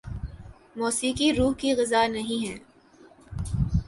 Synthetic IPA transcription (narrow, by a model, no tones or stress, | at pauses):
mɔːsiːkiɾuːɦkiɣɪzaːnɐɦĩɦɛ̃ː